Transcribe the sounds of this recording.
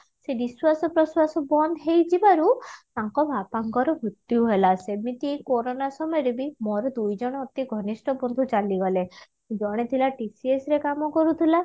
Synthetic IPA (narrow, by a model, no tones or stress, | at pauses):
seniswasɔpɾɔswasɔbɔnd̪ʱɦejd͡ʒibaɾut̪aŋkɔbʱapaŋkɔɾɔɦut̪jiuɦelasemit̪ikoɾonasɔmɔjɔɾebimɔɾɔd̪ujd͡ʒɔɽ̃ɔːt̪iɡʱɔnisʈɔbɔnd̪ʱut͡ʃaliɡɔle | d͡ʒɔɽ̃et̪ʰilaʈisiesɾekamɔkɔɾut̪ʰila